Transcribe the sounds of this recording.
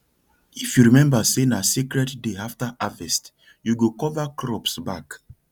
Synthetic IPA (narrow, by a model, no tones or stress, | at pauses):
ifjuɹimɛ̃mbasenasikɹɛddeaftaʔavɛst | juɡokɔvakɹɔpsbak